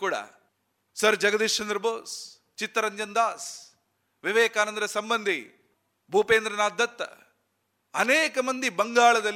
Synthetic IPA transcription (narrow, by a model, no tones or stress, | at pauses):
kuːɽa̰ | sɐɾd͡ʒɐɡɐd̪iʂt͡ʃɐnd̪ɾɐboːs | t͡ʃit̪ːɐɾɐɲd͡ʒɐnd̪aːs | ʋiʋeːkaːnɐnd̪ɾɐsɐmbɐnd̪ʱi | bʱupeːnd̪ɾɐnaːd̪ːɐt̪ːɐ̰ | ɐneːkɐmɐnd̪ʱibɐŋɡaːɭɐd̪ɐl